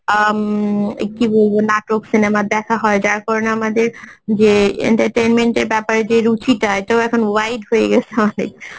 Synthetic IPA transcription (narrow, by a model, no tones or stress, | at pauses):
mḛkkibolbonaʈoksinemad̪ɛkʰaɦɔjd͡ʒaɹkɔɹɔnamad̪eɹd͡ʒeḛɳʈaʈenmenʈeɹbɛpaɹed͡ʒeɾut͡ɕitaɔjt̪oɛkʰɔnwajdɦojeɡɛsʰeɔnḛk